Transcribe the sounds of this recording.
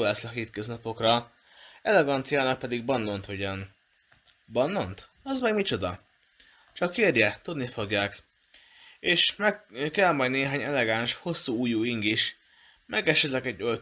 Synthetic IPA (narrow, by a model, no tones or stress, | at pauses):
oːlɛslɒɦeːt̪køznɒpo̞krɒ | ɛlɛɡɒnt̪sijaːnɒk̚pɛd̪iɡ̚bɒnlo̞nt̪oɟon | bɒnlo̞nt̪ | ɒzmɛɡmit͡ʃo̞d̪ɒ | t͡ʃɒkːeːrjɛt̪ud̪nifo̞ɡjaːk | eːʃmɛkɛlmɒjd̪neːɦaːɲɛlɛɡaːnʃho̞sːuːuːjuːiŋɡiʃ | mʔɛɡɛʃɛt̪lɛɡɛɟːøl